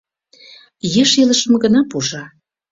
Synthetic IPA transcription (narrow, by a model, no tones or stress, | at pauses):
jeʃelə̆ʃə̆mɡə̆nɑpuʒɑ